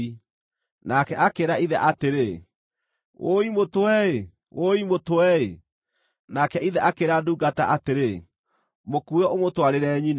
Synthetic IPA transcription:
i | nakɛʔakeɾaiðɛʔateɾe | oimotwɛe | oimotwɛe | nakɛiðɛʔakeɾaduːɡataʔateɾe | mokuɛomotwaɾeɾɛɲin

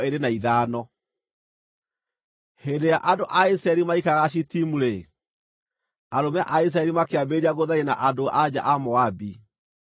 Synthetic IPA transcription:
eɾenaiðaːnɔ | hedejaʔadoʔaisɾaɛɾimaikaɣaɕ̬itimuɾe | aɾomɛʔais̬ɾaɛɾimakeabeɾiaɣoðaɾena̰ʔadoʔad͡ʑa̰ʔamɔabi

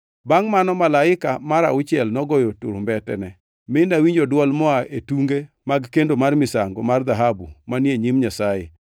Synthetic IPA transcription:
baŋmanɔmalaɪkamaɾa̰ʊt͡ʃɛlnɔɡɔjotʊɾmbɛtɛ̰nɛ | mɪnawiɲd͡ʒodwɔlmɔaʔetuŋɡe | maɡkendomarmɪsaŋɡo̰mard̪aɦabṵmanjeɲimɲasajḛ

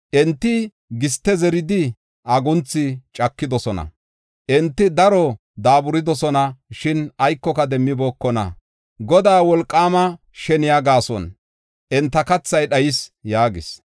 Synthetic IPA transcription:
ʔɛnt̪ːɪ | ɡɪst̪ːɛzɛɾɪd̪ɪ | ʔɐɡʊnt͡sːɪt͡ʃʼɐkːɪd̪ɔsɔnɐ̰ | ʔɛnt̪ːɪd̪ɐɾɔ | d̪aːbʊɾɪd̪ɔsɔnɐʃɪnɐjkːɔkɐd̪ɛmːɪbɔːkːɔnɐ̰ | ɡɔd̪aːwɔlkʼːaːmɐ | ʃɛnɪjaɡaːsɔ̰n | ʔɛnt̪ːɐkɐt͡sːɐjɗɐjɪsjaːɡɪs

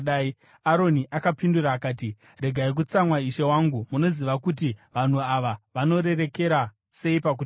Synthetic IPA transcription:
ai | aɾo̞niʔakapinduɾaːkaːti | re̞ɡʱaik̬ut͡samwaiʃe̞waŋɡumuno̞ziʋakutiʋan̤uaʋaʋano̞ɾe̞ɾe̞ke̞ɾa | se̞ipak̬u

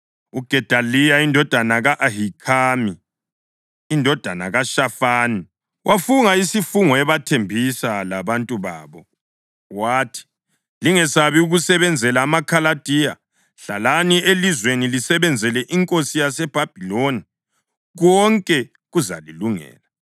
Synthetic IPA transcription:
uɡ̥ʱɛd̥ʱalijaindʱɔd̥ʱanaɣaʔaɦikʰaːmi | ndʱɔd̥ʱana̰ɣaʃafaːni | wʔafuŋaisifuŋɔɛβatʰembʱisalaβantʼuβa̰ːβɔ | waːtʰi̥ | liŋɛsaβiuɣusɛβɛnd͡zʱɛlaːmakʰalad̥ʱija̰ | ɬalanielizwenilisɛβɛnd͡zʱɛlɛʔiŋkʼosijasɛb̥ʱab̥ʱiloni | ɣɔŋkʼɛ | ɣuza̰liluŋɛ̰ːla

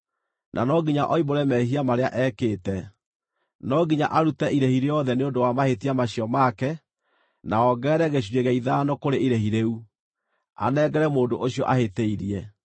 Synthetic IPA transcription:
nʔa̰nɔɡiɲaʔɔiboɾɛmɛɦiamaɾeaʔɛːkeːtɛ | nɔɡiɲa̰ʔaɾutɛʔiɾehiɾeɔðɛneondowamahetiamaɕijɔmakɛ | naɔɡɛːɾɛɣeɕ̬weɣɛiðanɔkoɾeiɾehiɾeu | a̰nɛːɡɛɾɛmoːndoʔoɕiɔʔaheteiɾiɛ

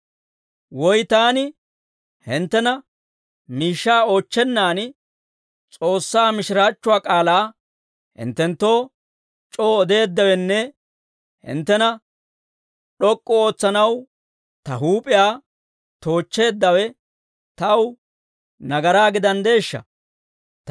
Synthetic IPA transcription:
wɔjt̪aːnɪ | hɪnt̪ːɛnɐ | miːʃːaːo̞ːt͡ʃːɛnːaːn | t͡sʼo̞ːsːaːmɪʃɪɾaːt͡ʃːʊaːkʼaːlaː | hɪ̰nt̪ːɛnt̪ːo̞ː | t͡ʃʼoːɔd̪e̞ːd̪ːɐwɛnːɛ | hɪ̰nt̪ːɛnɐ | ɗɔkʼːɔo̞ːt͡sːɐnɐw | t̪ɐɦuːpʼɪjaː | t̪o̞ːt͡ʃːe̞ːd̪ːɐwɛ | t̪ɐw | nɐɡɐɾaːɡɪd̪ɐnd̪e̞ːʃːɐ̰

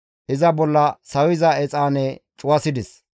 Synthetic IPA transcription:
ʔɪzɐbɔlːɐsɐwɪzɐɛt͡sʼaːnɛt͡ʃʼʊwɐsɪd̪ɪs

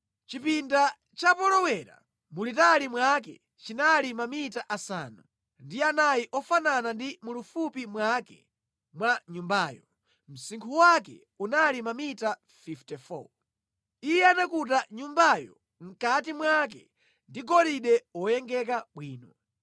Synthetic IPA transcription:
t͡ʃipinda | t͡ʃapɔlɔwɛɾa̰ | mulitalimwak̬ɛ̰ | t͡ʃinalimamitaʔasa̰ːnu | ndianajiʔɔfananandimulufupimwakɛ̰ | mwaɲumbaːjɔ | m̩siŋkʰuwakɛ̰ | unalimamita | fiftɛfɔ̰ | ijɛanakut̬aɲumbajɔ̰ | m̩katimwak̬ɛ̰ | ndiɡɔliɗɛɔjɛŋɡɛkaɓwiːnɔ

